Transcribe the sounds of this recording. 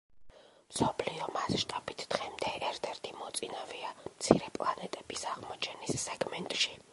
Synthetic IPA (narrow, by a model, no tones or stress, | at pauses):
msɔpʰliɔmasʃt̪ʼabit̪ʰd̪̥ʁɛmd̪ɛɛɾt̪ʰɛɾt̪ʰimɔt̪sʼinaviamt̪sʰiɾɛpʼlˠanɛt̪ʼɛb̥isaʁmɔt͡ʃʰɛnisːɛɡmɛnt̪ʼʃi̥